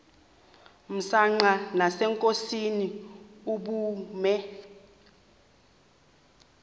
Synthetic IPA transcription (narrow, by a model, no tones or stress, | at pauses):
m̩saŋ͡ǃanasɛŋkʼosiniuɓuːmɛ